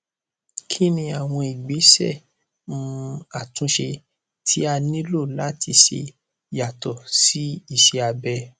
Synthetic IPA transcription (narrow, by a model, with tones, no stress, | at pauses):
kʰi˦nĩ˧a˨w̃ɔ̃˧i˨ɡ͡be˨˦sɛ̰˦˨ | mũ˧a˨tũ˨˦ʃe˧ | tʰi˨˦a˧nĩ˦lo˦˨la˦tʰi˧ʃe˧ | ja˨tɔ˨si˦i˦˨ʃe˧a˧bɛ˧